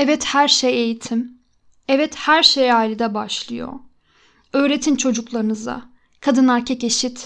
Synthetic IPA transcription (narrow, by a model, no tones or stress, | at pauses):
ɛvɛt̪hæɾʃeje̞jit̪ʰim | ɛvɛt̪hæɾʃejaːlʲid̪ɛbaʃlˠɯjo̞̰ | ø̞ːɾe̞t̪ʰint͡ʃʰo̞d͡ʒuklˠaɾɯnɯza̰ | kʰad̪ɯnæɾcʰɛce̞ʃit̪